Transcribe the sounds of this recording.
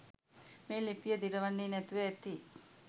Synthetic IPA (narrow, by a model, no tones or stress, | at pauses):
meːlipijəd̪iɾɐʋanːiːnɛt̪uʋeːt̪i